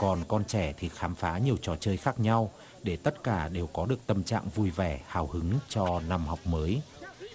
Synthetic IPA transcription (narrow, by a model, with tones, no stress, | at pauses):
kɔ˨˩nkɔ˧nt͡ɕɛ˧˩t̪ʰi˨˩xaː˨˦mfaː˨˦ɲi˨˩əwt͡ɕɔ˨˩t͡ɕəː˧jxaː˦˥k̚ɲa˧w | ɗe˧˩t̪ə˦˥t̚kaː˧˩ɗe˨˩wkɔ˨˦ɗɨ˨˩ək̚t̪ə˧˩mt͡ɕa̰ː˧˨ŋvu˧jvɛ˧˩haː˧˩whɨ˨˦ŋt͡ɕɔ˧na˧mhɔ˨˩wk͡p̚məː˨˦j